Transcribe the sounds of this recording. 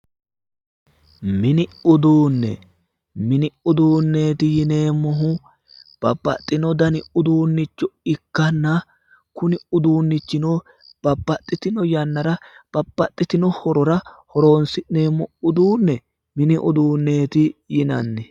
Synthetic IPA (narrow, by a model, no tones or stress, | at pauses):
mɪnɪʊd̪uːnːɛ̰ | mɪnɪʊd̪uːnːe̞ːt̪ɪjɪne̞ːmːɔɦʊ | b̥ɐbːɐ̰t̪ʼːɪnɔd̪ɐnɪʊd̪uːnːɪt͡ʃːɔɪkːɐnːɐ | kʊnɪʊd̪uːnːɪt͡ʃːɪnɔ | b̥ɐbːɐt̪ʼːɪt̪ɪnɔjɐnːɐɾɐb̥ɐb̥ːɐt̪ʼːɪt̪ɪnɔhɔɾɔɾɐhɔɾo̞ːnsɪne̞ːmːɔʊd̪uːnːɛ | mɪnɪʔʊd̪uːnːe̞ːt̪ɪjɪnɐ̰nːɛ